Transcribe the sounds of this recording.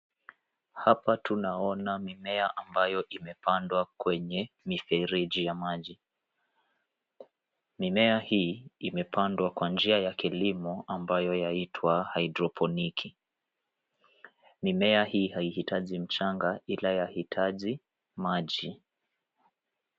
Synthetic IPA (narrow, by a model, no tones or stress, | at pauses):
hapatunaɔnamimɛaʔambajɔʔimɛpandwakwɛɲɛ | mifɛɾiʄijamaʄi | mimɛahiːimɛpandwakwand͡ʒiajakilimɔambajɔjaitʰwahaidɾɔpʰɔnikʰi | mimɛahiːhaihitaʄim̩t͡ʃaŋɡailajahitʰaʄi | maʄi